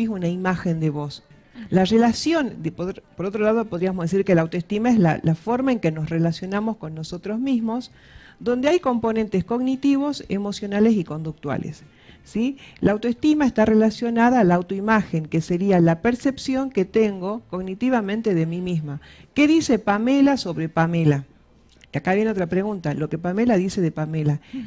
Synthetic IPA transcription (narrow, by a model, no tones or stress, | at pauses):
iunaimaxe̞nd̪eβo̞s | larelasjo̞npoðɾpoɾo̞t̪ɾo̞lað̞o̞poð̞ɾiamozðes̬iɾkelawt̪oest̪imaezla̰lafo̞ɾmaeŋke̞no̞sre̞lasjo̞namo̞sko̞nːo̞so̞t̪ɾozmizmo̞s | ðo̞nd̪eajko̞mpo̞nẽ̞nt̪esko̞ɣnit̪iβ̞o̞semo̞sjo̞nalesiko̞nd̪uk̚t̪wa̰lḛsː | ilaːwt̪oest̪imaest̪arelasjo̞naðaːlaawt̪oimaxeŋkeseɾialape̞ɾse̞psjo̞ŋket̪eŋɡo̞ko̞ɣnit̪iβ̞amẽ̞nt̪eðemimizmakeðise̞pamelaso̞βɾepame̞la | akaβje̞no̞t̪ɾapɾeɣunt̪alo̞kepamelaðise̞ðepamela